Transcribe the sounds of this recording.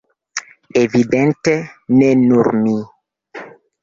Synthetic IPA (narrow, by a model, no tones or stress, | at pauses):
evidentenenuɾmi